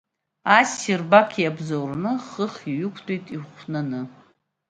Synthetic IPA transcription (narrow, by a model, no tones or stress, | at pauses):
asirbakʲʰjabzowrnɨχəχiɥʏkʷʰtʰʼejtʼiχʷnanɨ